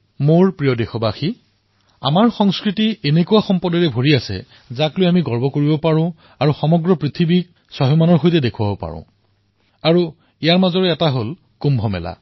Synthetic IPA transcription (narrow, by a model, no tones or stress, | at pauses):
moɹpɹijɔdexɔbaxi | a̰maɹxɔŋskɹitienekuwaxɔmpɔdɔɹɛbʱoɹiasɛ̰ | zaklojamiɡɔɹbɔkoɹibɔpaɹʊ̃ | aɹuxɔmɔɡɹɔpɹit̪ʰibik̚ | sɔɦɔmanɔɹxojtɛdekʰuabɔpa̰ɹʊ̰̃ | aɹu | ijaɹmazɔɹɛɛtaɦol | kumbʱɔmɛ̰la̰